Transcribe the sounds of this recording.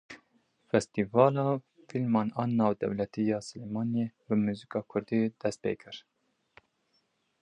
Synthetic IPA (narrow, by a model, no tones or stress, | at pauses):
fɛst̪iːvɑːlɑː | filmɑːnɑːnːɑːwd̪ɛ̰wlɛt̪iːjɑːsɨleːmɑːnjebɨmuːzikɑːkʰʊɾd̪iːd̪̥ɛst̪̚pḛːkʰɨɾ